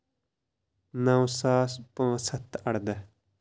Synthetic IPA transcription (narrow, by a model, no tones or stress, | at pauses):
nɐwsaːspãːsɐt̪ɐɽd̪ə